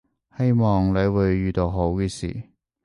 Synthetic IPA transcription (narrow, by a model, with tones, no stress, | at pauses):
he˥jmɔː˨ŋle˨˧jwuː˨˧jːyː˨t̪o˨˧wɦo˨˥wkɛː˧sḭː˨˩